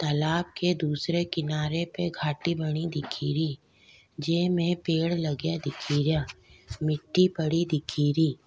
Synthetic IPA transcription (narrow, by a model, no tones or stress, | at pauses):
t̪ɐlaːb̚ked̪uːsɾekɪnaːɾepeɡʱaːʈibɐɽ̃id̪ɪkʰiːɾi | d͡ʒeːmẽpeːɽlɐɡjad̪ɪkʰiːɾjamɪʈːipɐɽid̪ɪkʰiːɾiː